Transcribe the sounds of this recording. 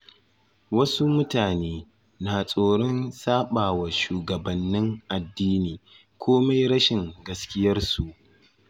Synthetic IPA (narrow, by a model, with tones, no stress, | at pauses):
wɐ˦su˦mʊ˦taː˨neː˦ | naː˨sʼoː˨ɽɔ˦nsaː˦ɓaː˨wa˨ʃuː˨ɡɐ˨bɐ˨nːɪ˦ŋʔa˨dːiː˦niː˨ | kʷʰoː˦ma˦jɽɐ˦ʃɪ˨ŋɡɐ˦skʲɪ˦jɐ˦rsu˨ʔ